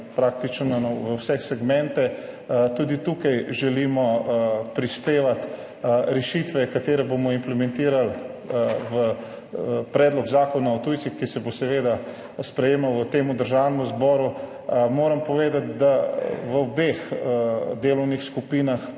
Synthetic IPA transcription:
pɾaːk̚t̪it͡ʃnɔnɔʋəwsɛxsɛɡmɛ̃nt̪ɛt̪ud̪it̪uːkajʒɛliːmɔpɾispeːʋat̪ | ɾɛʃit̪ʋɛkat̪eːɾɛbomɔimplɛmɛ̃nt̪iːɾal | ʋə | pɾɛːd̪lɔɡzaːkɔnaɔt̪uːjt̪sixkisɛbosɛʋeːd̪a | spɾɛjeːmawət̪eːmud̪əɾʒawnɛmuzbɔːɾu | moːɾɐmpɔʋeːd̪at̪̚d̪aʋəɔbex | d̪eːlɔwnixskupiːnax

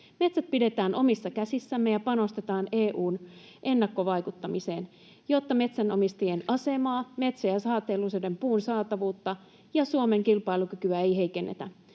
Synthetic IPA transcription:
me̞t̪sæt̪̚pide̞t̪æːnʔo̞misːɑkæsisːæmːejɑpɑno̞st̪e̞t̪ɑːne̞ːʔuːn | ʔe̞nːɑkːo̞ʋɑjkut̪ːɑmise̞ːn | jo̞t̪ːɑme̞t̪sæno̞mist̪ijenɑse̞mɑːme̞t̪sojæsɑːt̪eːlːusodempuːnsɑːt̪ɑʋuːt̪ːɑ | jɑsuome̞ŋkilpɑilukykyæe̞jɦe̞ike̞nːḛt̪æ̰

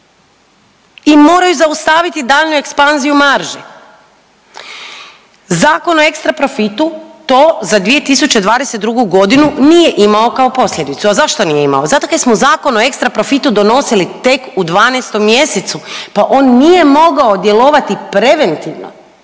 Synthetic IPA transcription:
imo̞ːɾajuzaust̪aʋit̪id̪aːʎnue̞kspanzijumaɾʒe | zaːko̞no̞e̞kst̪ɾapɾo̞fit̪ut̪o̞ːzad̪ʋije̞t̪isut͡ɕe̞d̪ʋaːd̪eset̪̚d̪ɾuɡuɡo̞d̪inunije̞ʔimao̞kao̞po̞sʎʲe̞d̪it̪suazaʃt̪o̞nije̞ima̰ozat̪okasmozaːko̞noekst̪ɾapɾo̞fit̪ud̪o̞no̞silit̪e̞kud̪ʋaːnest̪o̞mːje̞set̪supaʔo̞ːnːije̞mo̞ɡao̞d̪je̞lo̞ʋat̪ipɾe̞ʋe̞nt̪iʋno̰

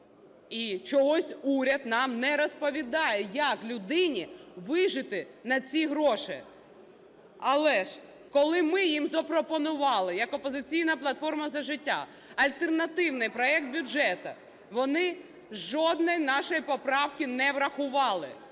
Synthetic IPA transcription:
it͡ʃɔɦɔsʲuɾʲɐd̪nɑmnɛɾɔspɔʋʲid̪ɑjɛjɐklʲʊd̪ɪnʲiʋɪʒɪt̪ɪnɐt͡sʲiɦɾɔʃɪ | ɐlˠɛʒ | kɔlˠɪmɪjimzɔpɾɔpɔnʊʋɑlˠɪjɐkɔpɔzɪt͡sʲijnɐplˠɐt̪fɔrmɐzɐʒɪtʲːa̰ | ɐlʲt̪ernɐt̪ɪwnɪjpɾɔɛk̚t̪̚bʲuɛt̪ɐ | ʋɔnɪ | ʒɔd̪nɔjnɑʃɔjpɔpɾɑwkʲinɛʋɾɐxʊʋɑlˠɪ

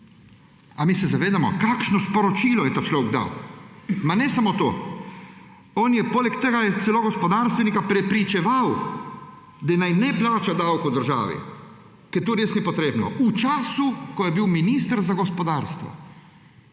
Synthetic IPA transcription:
amiːsɛzaʋeːd̪amɔ̰kakʃnɔspɔɾɔt͡ʃiːlɔjɛt̪aːt͡ʃlɔwɡd̪a̰w | manɛsamoːt̪o̰ː | oːnjɛpoːlɛkt̪ɛːɡajɛsɛloɡɔspɔd̪aːɾst̪ʋɛnikapɾɛpɾit͡ʃɛʋaw | d̪anajnɛplaːt͡ʃad̪awkowd̪əɾʒa̰ːʋḭ | kɛjt̪oːɾeːsnipɔt̪ɾeːbnɔ̰ut͡ʃaːsukɔjɛbiwminiːst̪əɾzaɡɔspɔd̪aːɾst̪ʋɔ̰

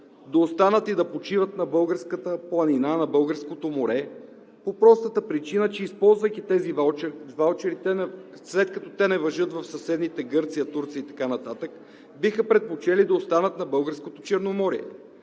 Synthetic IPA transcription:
d̪ɐost̪anət̪id̪ɐpot͡ʃivət̪nɐbɤlˠɡəɾskət̪əplˠɐninanɐbɤlˠɡəɾskot̪omoɾɛ | popɾɔst̪ət̪əpɾit͡ʃinət͡ʃɛispɔlˠzvəjk̪ʲit̪ɛzivalˠt͡ʃɛɾit̪ɛ | slɛt̪kɐt̪ɔt̪ɛnɛvɐʒɤt̪vɐfsɐsɛd̪nit̪ɛɡɤɾt̪sijət̪uɾt̪sijəit̪ɐ̥kanɐt̪at̪ək | bixəpɾɛt̪̚pot͡ʃɛlid̪ɐost̪anət̪nɐbɤlˠɡəɾskot̪o̥t͡ʃɛɾnomɔɾiɛ̰

